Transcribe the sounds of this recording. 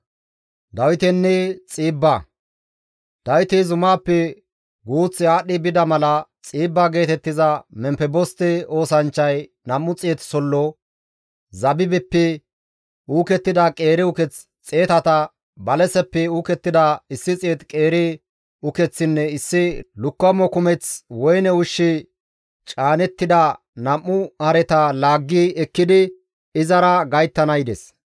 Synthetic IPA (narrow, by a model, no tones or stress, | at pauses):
d̪ɐwɪt̪ɛnːɛt͡sʼiːbːɐ | d̪̥ɐwt̪izʊmaːpːɛ | ɡuːt͡sːɪaːɗːɪbɪd̪ɐmɐlɐt͡sʼiːbːaɡe̞ːt̪ɛt̪ːɪzɐmɛmpɛbɔst̪ɪo̞ːsɐnt͡ʃːɐj | nɐmːʊt͡sʼːeːt̪sɔlːɔ | zɐbɪbɛpːɛ | uːkɛt̪ːɪd̪ɐkʼe̞ːɾɪʊkɛt͡s | t͡sʼeːt̪ɐt̪ɐ | bɐlɛsɛpːɛuːkɛt̪ːɪd̪ɐɪsːɪt͡sʼeːt̪kʼe̞ːɾɪ | ʊkɛt͡sːɪnːɛɪsːɪlʊkːɐmːɔkʊmɛt͡swɔjnɛʊʃːɪ | t͡ʃʼaːnɛt̪ːɪd̪ɐ | nɐmːʊhɐɾɛt̪ɐlaːɡːiɛkːɪd̪ɪ | ɪzɐɾɐɡɐjt̪ːɐnɐjd̪ɛs